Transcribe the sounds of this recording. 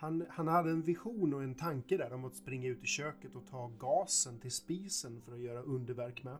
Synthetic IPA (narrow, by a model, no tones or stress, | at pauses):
hanhanhad̪ːəɛnvɪɧuːnɔɛnt̪ʰaŋkəd̪æːɾɔmat̪spɾɪŋːaʉ̟ːt̪ɪɕøːkət̪ɔt̪ʰɑːɡɑːsənt̪ʰɪlspiːsənfœɾɔjœːɾaʔɵnd̪əɾvæɾkmɛ